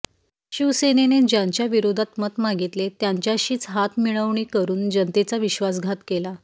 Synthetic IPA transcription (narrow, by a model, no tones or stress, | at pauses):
ɕiʋsenened͡ʑaɲt͡ɕjaʋiɾod̪ʱat̪mət̪maɡit̪let̪jaɲt͡ɕjaɕiːt͡sɦat̪miɭəʋɳiːkəɾuːnd͡ʑənt̪et͡saʋiɕʋasɡʱat̪kela